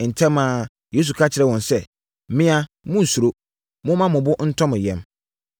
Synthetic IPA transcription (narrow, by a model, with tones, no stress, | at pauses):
n̩˨tʰɛ̃˦mãː˨ | jeː˨˦s̬u˨kʰa˦t͡ɕʰɪ˨ɾɛ˦˨wɔ̃˨nsɛ˦ | mɪ̃˦a˦ | mʊ̃˦n̩˨su˨ɾo˦ | mʊ̃˦mã˦mʊ̃˨bʊ˦n̩˦tʰɔ̃˦mɪ̃˨jɛ̃˨m